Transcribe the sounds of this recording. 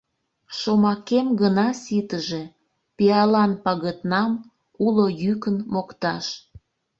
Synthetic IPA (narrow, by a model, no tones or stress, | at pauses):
ʃomɑkemɡənɑsit̪əʒe̽ | piɑlɑnpɑɣət̪nɑm | ulojykənmokt̪ɑʃ